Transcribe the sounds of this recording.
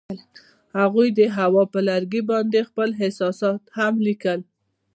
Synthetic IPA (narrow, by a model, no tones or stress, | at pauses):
haɣujd̪əɦawɑpəlaɾɡibɑnd̪expəlɦɪsɑsɑt̪hamlikəl